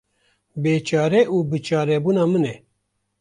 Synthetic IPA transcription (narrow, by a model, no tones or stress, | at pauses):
beːt͡ʃɑːɾɛʔuːbɨt͡ʃɑːɾɛbuːnɑːmɨnɛ